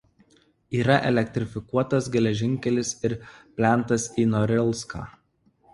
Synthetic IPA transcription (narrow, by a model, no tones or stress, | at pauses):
iːɾɐʔɛlʲɛkt̪ʲɾʲɪfʲɪkuɔt̪ɐsɡʲɛlʲɛʒʲɪŋʲkʲɛlʲɪsɪɾpʲlʲæˑnˑt̪ɐsiːnɔɾʲɛlʲˠˑska̰ː